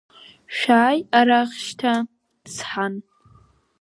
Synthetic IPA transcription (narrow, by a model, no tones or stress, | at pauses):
ʃᶣaːjaɾaχʃtʰa | d̥sħan